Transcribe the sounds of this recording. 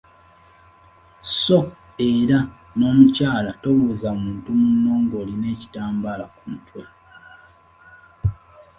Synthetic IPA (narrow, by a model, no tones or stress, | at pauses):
so̞ | eɾa | no̞ːmucaːlato̞luzamuːntumunːo̞ŋɡo̞ːline̞ːci̥taːmbalakumutwe